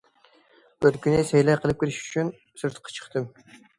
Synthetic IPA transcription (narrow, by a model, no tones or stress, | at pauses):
øðkʲynɪsɛjlɛqʰəlˠɨp̚kʲiɾɪʃy̥t͡ʃʰyn | sɨɾt̪ʰqʰɑ̥t͡ʃʰə̥χt̪ʰɨm